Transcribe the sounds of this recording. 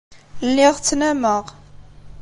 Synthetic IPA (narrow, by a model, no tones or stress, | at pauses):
lːɪʁt͡sːnæməʁ